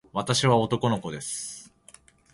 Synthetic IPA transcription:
βat̪aɕiβao̞t̪o̞ko̞no̞ko̞d̪e̞sɨ̥

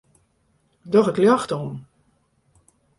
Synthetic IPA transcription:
dɔxɪkljaxtɔn

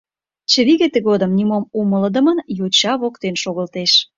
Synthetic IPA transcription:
t͡ɕə̆βiɣet̪eɣod̪əmnimomumələd̪ə̆mənjot͡ɕɑβokt̪enʃoɣəlt̪eʃ

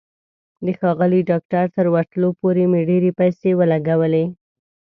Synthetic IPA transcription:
d̪əxɑɣəliɖɑk̚ʈaɾt̪əɾwaɾt̪lopoɾemeɖeɾepajsewəlaɡawəle

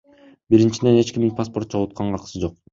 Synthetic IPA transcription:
biɾint͡ʃid̪e̞ne̞t͡ʃkʲiminpaspo̞ɾt̪̚t͡ʃʰolˠut̪̚qɑɴʁɑqɯ̥sɯd͡ʒo̞q

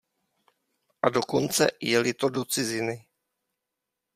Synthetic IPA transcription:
ʔado̞ko̞nt͡sɛ̰jɛlɪt̪odot͡sɪzɪnɪ

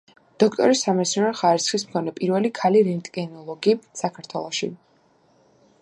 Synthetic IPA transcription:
d̪̥ɔk̚ʰt̪ʼɔ̰ɾisːamɛt̪sɔnɛɾχaɾisχismkʰɔnɛpʼiɾvɛlikʰaliɾɛnt̪ʼkʼɛnɔlˠɔɡisakʰaɾt̪ʰwɛlˠɔʃḭ

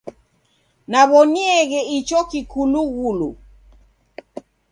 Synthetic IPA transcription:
naβɔniɛɣɛit͡ʃɔkikuluɣulu

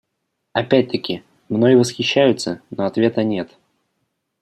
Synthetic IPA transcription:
ɐpʲæt̚ʲt̪əkʲɪ | mnojɪvəsxʲɪɕːæjʊt̪sənoɐt̪vʲe̞t̪ənʲe̞t̪

